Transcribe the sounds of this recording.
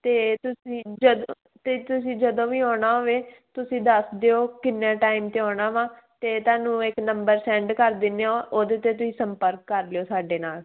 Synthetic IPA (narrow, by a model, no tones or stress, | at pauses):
t̪eːt̪ʊsĩːd͡ʒəd̪õ | t̪eːt̪ʊsĩːd͡ʒəd̪õːʋiːɔːɳaːɦoːʋeːt̪ʊsĩːd̪əsd̪eoːkɪnːãːʈaːimt̪eːɔːɽaːʋãː | t̪eːt̪aːnũːɪknəmbəɾsɛ̃ːɳɖkəɾd̪ɪnːeoːʔoːd̪eːt̪eːt̪̬ʊsĩːsəmpəɾkːəɾleoːsaːɖeːnaːl